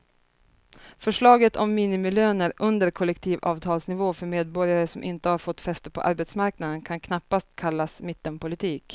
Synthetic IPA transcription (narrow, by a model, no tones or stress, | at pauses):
fœʂɭɑːɡət̪ʰɔmːiːnɪmɪløːnəɾɵnd̪əɾkʰɔlːɛkt̪ʰiːvɑ̰ːvt̪ʰɑːlsnɪvoːfœɾmeːd̪̚bɔɾjaɾəsɔmʔɪnt̪əhaɾfɔt̪ːfɛst̪əɾpʰɔ̰ʔaɾbɛt̪smaɾknad̪ənkʰankʰnapːast̪kʰalːasmɪt̪ːənpʊlɪt̪ʰiːk